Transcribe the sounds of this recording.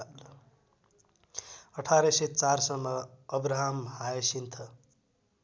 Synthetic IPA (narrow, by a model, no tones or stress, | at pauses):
ʌʈʰaɾʌsʌt͡sarsʌmːʌːbɾaɦamhaesint̪ʰʌ